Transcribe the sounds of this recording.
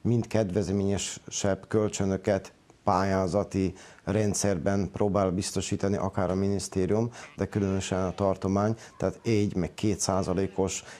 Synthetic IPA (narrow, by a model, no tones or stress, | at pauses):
mint̪kɛd̪ʋɛzmeːɲɛʃʃɛbkølt͡ʃønø̞kɛt̪ | paːjaːzɒt̪irɛnt̪sɛrbɛnproːbaːlbist̪o̞ʃiːt̪ɒniʔɒkaːɾɒminist̪eːɾijumd̪ɛkylønøʃɛnɒt̪ɒrt̪o̞maːɲt̪ɛaːt̪ɛɟmɛkkʰeːt̪saːzɒleːko̞ʃ